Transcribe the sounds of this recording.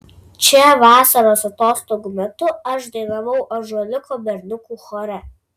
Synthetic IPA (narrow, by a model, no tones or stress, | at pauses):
t͡ʃʲɛʋɑːsɐɾoːsɐt̪oːst̪oɡʊmʲɛt̪ʊɐʃd̪ɐɪnɐʋɐʊʔɐʒolʲɪkʰɔbʲɛɾʲnʊkuːxɔɾʲɛ